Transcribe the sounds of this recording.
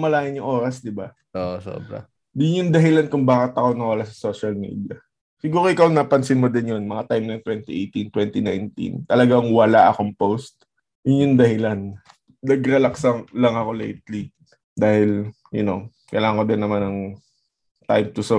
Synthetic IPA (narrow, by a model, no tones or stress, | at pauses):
mɐlaːjɪnjʊŋʔo̞ːɾɐsd̪ɪba | oʔso̰ːbɾɐ̰ | d̪ɪnjʊnd̪ɐɦɪlankʊŋbaːkɪt̪ːɐkonɐŋwɐlasɐsoːʃɐlmḭːd̪iɐ | sɪɡuːɾoʔɪkɐwnɐpɐnsɪnmod̪ɪnjonmɐŋat̪ajmnɐjɐŋt̪wɛnt̪iʔejt̪int̪wɛnt̪inajnt̪ḭnt̪ɐlɐɡaŋwɐlaʔɐkoŋpowst̪̚ | jʊnjʊnd̪ɐhɪlan | nɐɡɾɐlɐksɐŋlɐŋɐko̞lḛjt̪̚li | d̪aːhɪl | jʊno | kɐ̰jlaːŋɐŋkod̪ɪnːɐmanɐŋ | t̪ajmt̪ʊso